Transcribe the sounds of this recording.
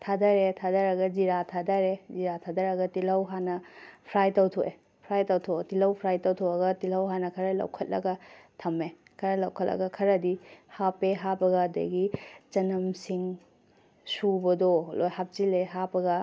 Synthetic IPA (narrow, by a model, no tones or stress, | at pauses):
tʰadɐɾetʰadɐɾɐɡɐd͡ʒiɾatʰadɐɾeziɾatʰadɐɾɐɡɐtilɐwɦanɐpʰɾajtawtʰoʔe | pʰɾajtawtʰotilɐwpʰɾajtawtʰoɐɡɐtilɐwɦanɐkʰɐɾɐlɐ̰wkʰɐt̚lɐ̰ɡɐtʰɐme | kʰɐɾɐlɐwkʰɐt̚lɐ̰ɡɐkʰɐɾɐdihapeɦabɐɡɐdɐ̰ɡit͡ʃɐnɐmsiŋ | subɐdɔlojhap̚zileɦabɐɡɐ